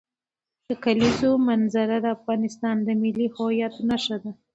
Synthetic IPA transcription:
d̪əkalizomanzaɾad̪əafɣɑnɪst̪ɑnd̪əmɪlːihojat̪naʃad̪a

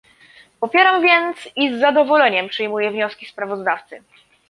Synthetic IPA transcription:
pɔpʲjɛɾamvʲjɛnt̪sizːad̪ɔvɔlɛɲɛmpʂɘjmujɛvɲɔskʲispɾavɔzd̪aft̪sɘ

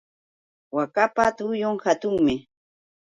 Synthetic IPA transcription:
wakapat̪ʊjoŋhat̪ʊŋmɪ

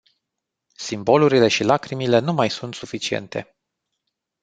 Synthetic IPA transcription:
simbo̞luɾile̞ʃilakɾimile̞numajsunt̪sufit͡ʃie̞̰nt̪e̞̰

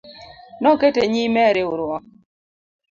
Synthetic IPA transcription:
nɔketeɲimɛɾɪʊɾwɔ

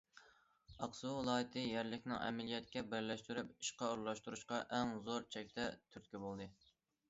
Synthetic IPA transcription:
ɑqsuɨlˠɑːjɨt̪ʰɨjæɾlɪkʲnɪ̰ŋʔɛ̰mɛlijɛt̪kʲɛbɪɾlɛʃt̪yɾypi̥ʃqɑuɾlˠɑʃt̪uɾuʃqɑʔɛŋzoɾt͡ʃʰɛk̚ʲt̪ʰɛt̪ʰyɾt̪kʲibolˠd̪ɨ

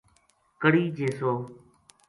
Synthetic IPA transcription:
kəɽiːd͡ʒeːsoː

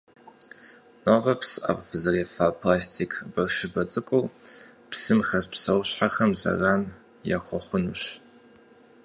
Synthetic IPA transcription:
noːbɐpsɨʔɐ̰vfzɐreːfapʰlaːstʰiːkʰbɐrʃɪbɐt͡sʼɨkʷʼuː | psɨmxɐzpsɐwʊɕħaxɐmzɐ̰raːn | ja̰ːxʷɔχʷʊnṵɕ

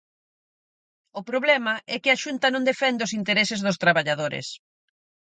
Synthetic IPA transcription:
ʊpɾoβlɛmɐʔɛkɪaʃunt̪ɐnõŋd̪efɛnd̪ɪʊsint̪eɾɛsɪzðʊst̪ɾaβaʎaðoɾɪ̰s

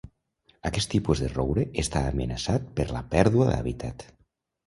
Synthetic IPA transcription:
akɛst̪ːipuzðerowɾeest̪aːmenasat̪̚pəɾlapɛɾðuaða̰βit̪ʰat̪

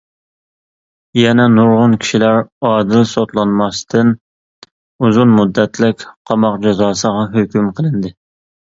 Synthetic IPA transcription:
jɛnɛnuɾʁʊnkʲʰi̥ʃilæɾɑːd̪ɨlsot̪lˠɑnmɑst̪ʰɨn | uzunmud̪ːɛt̪ʰlɪkʲqʰɑmɑq̚d͡ʒɛzɑːsəʁɑɦøkʲymqʰəlˠɨnd̪ɨ

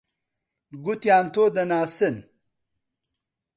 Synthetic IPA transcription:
ɡut̪jaːnt̪oːd̪ɐnaːsen

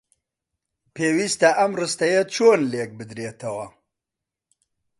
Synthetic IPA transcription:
pʰeːwist̪ɐʔɐmrɨst̪ɐjɐt͡ʃʰoːnlek̚bɨd̪ɾeːt̪ʰɐwɐ

